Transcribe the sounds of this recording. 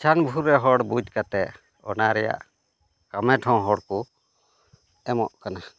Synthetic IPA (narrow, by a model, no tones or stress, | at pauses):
t͡ʃʰanbʱuɾːɛɦɔɽbud͡ʒkat̪ɛʔ | ɔ̰naɾɛja̰ʔ | kamɛʈʰɔ̃wɦɔɽku | ɛmɔ̰ʔkana